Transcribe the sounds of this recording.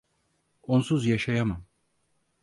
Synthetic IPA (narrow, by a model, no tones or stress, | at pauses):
onsuzjaʃajamam